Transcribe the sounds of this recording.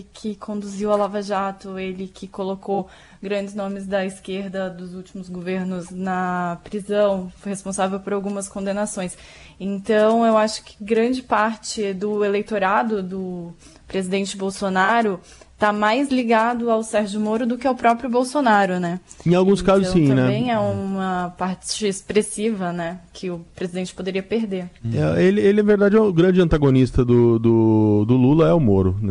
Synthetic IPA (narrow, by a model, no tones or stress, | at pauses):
kʰɪkʰõd̪uziwalavaʒat̪ʊelɪkʰɪkolokow | ɡɾɐ̃nd͡ʒɪznõmɪzd̪ɐiskeɾd̪ɐd̪ʊzuwt͡ʃimʊzɡoveɾnʊznɐpɾizɐ̃w̃fohespõsavewpoɾawɡũmɐskõd̪enasõj̃s | ẽnt̪ɐ̃w̃ewaʃʊ̥kɪ̥ɡɾɐ̃d͡ʒɪpaɾt͡ʃɪd̪ʊelejt̪oɾad̪ʊd̪ʊ | pɾezid̪ẽnt͡ʃɪbowsonaɾʊ | t̪amajzliɡad̪ʊawsɛɾʒʊmoɾʊd̪ʊkɪawpɾɔpɾjʊbowsonaɾʊnɛẽj̃awɡũskazʊssĩt̪nɛbẽj̃ɛũmɐpaɾt͡ʃɪespɾesivɐnɛkʰɪʊpɾezid̪ẽnt͡ʃɪ̥pod̪eɾiɐpeɾd̪eɾɛelɪelɪnaveɾd̪ad͡ʒɛ̃ɡɾɐ̃d͡ʒɪɐ̃nt̪aɡonist̪ɐd̪ʊd̪ʊd̪ʊlulɐɛʊmoɾʊnɛ